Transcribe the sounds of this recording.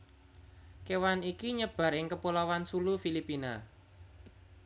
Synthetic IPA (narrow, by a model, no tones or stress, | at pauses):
kewanikiɲəb̥a̤ɾɪŋkəpulawansulufilipina